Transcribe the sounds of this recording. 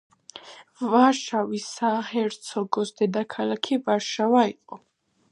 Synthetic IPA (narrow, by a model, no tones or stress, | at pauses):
vaʃavisahɛɾt̪sʰɔɡɔsd̪ɛd̪akʰalakʰivaɾʃavaiqʼɔ